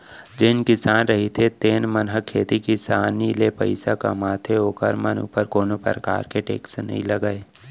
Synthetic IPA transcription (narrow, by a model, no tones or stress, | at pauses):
d͡ʒɪnkɪsaːnɾɐɦit̪ʰet̪eːnmənɦəkʰːeːt̪ikisaːnilepə̰ɪsaka̰maːt̪ʰeoːkəɾmənṵːpəɾkoːnopə̰ɾəka̰ːɾkeʈḛːksnɐ̰ɦḭ̃ləɡəeː